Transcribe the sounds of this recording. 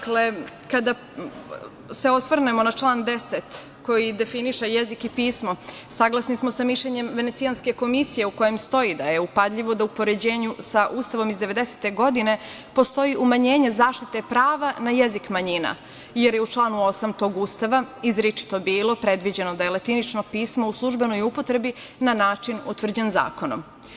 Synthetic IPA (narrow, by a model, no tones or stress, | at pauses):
akle | kad̪a | seo̞sʋrnemo̞nat͡ʂlˠaːnd̪eset̪ | ko̞jid̪e̞finiʃejezikipiːsmo̞saɡlˠasnismosamiʃʎeɲe̞mʋe̞neijanske̞ko̞misijeuko̞jemst̪o̞id̪ajeupad̪ʎʲiʋo̞d̪aupo̞ɾe̞d͡ʑe̞ːɲusaʔuːst̪aʋo̞mizd̪eʋe̞d̪ese̥t̪e̞ɡo̞d̪ine̞ | po̞st̪o̞jiʔumaɲeːɲe̞zaːʃt̪it̪e̞pɾaːʋanajezikmaɲina̰ | jeɾjeut͡ʃlˠaːnuo̞samt̪o̞ɡuːst̪aʋaizɾit͡ʂi̥t̪o̞biːlˠo̞pɾed̪ʋid͡ʑe̞nod̪ajelet̪init͡ʃno̞piːsmo̞uslˠuʒbe̞nojupo̞t̪ɾe̞bi | nanaːt͡ʂinut̪ʋr̩d͡ʑenza̰ːko̞no̰m